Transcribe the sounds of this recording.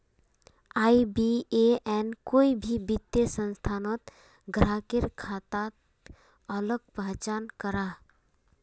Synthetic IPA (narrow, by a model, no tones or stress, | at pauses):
aːibieɛnkoibʱibit̪ːesə̃nst̪ʰanɔt̪ | ɡɾakɪɾkʰat̪at̪ | ələɡ̚pəɦt͡ʃankəɾa